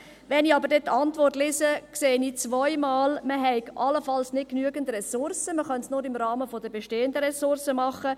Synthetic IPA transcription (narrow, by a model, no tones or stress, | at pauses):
ʋɛniɑbəɾdɛt̚ːɑntʋɔrtlɪsəkseːniːt͡sʋɔɪmɑːlməɦɛɪɡʔɑləfɑlsnɪt̚knyəɡ̥əndrɛsʊrsəməχœnsnʊɾɪmɾɑːməfɔdəbeʃteːəndəɾɛsʊɾsəmɑχə